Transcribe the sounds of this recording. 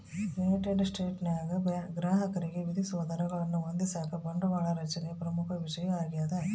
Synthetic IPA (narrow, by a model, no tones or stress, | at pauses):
ʋeɐʈeɖsʈeːʈnjaːɡɐbɡɾaːɦɐkɐɾiɡe̞ʋid̪ʱisuʋɐd̪ɐɾɐɡɐɭɐnːuond̪isaːkʰɐbɐɳɖɐʋaːɭɐɾɐt͡ʃɐnepɾɐmukʰɐʋiʃɐjɐaːɡijaːd̪ɐ